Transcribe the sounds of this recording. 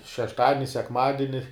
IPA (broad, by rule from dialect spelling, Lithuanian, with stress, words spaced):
ʃʲɛʃˈtɑːdʲɪnʲɪ sʲɛkˈmɑːdʲɪnʲɪ